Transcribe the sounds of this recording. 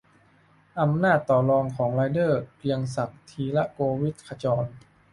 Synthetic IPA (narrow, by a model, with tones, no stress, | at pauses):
ʔa˧mnaː˥˩t̪ːɔː˨˩lɔː˧ŋkʰɔː˩˦ŋlaː˧jdɤː˥˩ki˧əŋsa˨˩k̚t̪ʰiː˧la˦˥ʔkoː˧wi˦˥t̪̚kʰa˧t͡ɕɔː˧n